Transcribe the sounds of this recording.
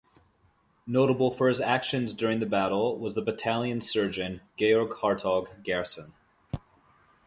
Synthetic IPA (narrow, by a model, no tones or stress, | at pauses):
noʊɾəbl̩ˠfə˞ɨzækʃɨ̃nzdʊɹɪ̃ŋðɨbæɾl̩ˠwʌzðəbɨtʰælˠjɨ̃nsɜ˞d͡ʒɨ̃nɡ̥eɪɔɹɡhɑɹtʰɔɡɡɛɹsə̃n